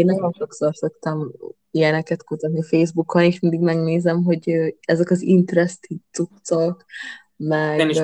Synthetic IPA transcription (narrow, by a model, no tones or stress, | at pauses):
eːnːɒɟo̞nʃo̞ksorsokt̪ɛm | ijɛnɛkɛt̪kut̪ɒt̪niɒfeːzbukːɒneːʃmind̪iɡmɛɡneːzɛmɦo̞ɟøɛzɛkɒzint̪ɾɛst̪it̪sukt̪sɒk | mɛɡ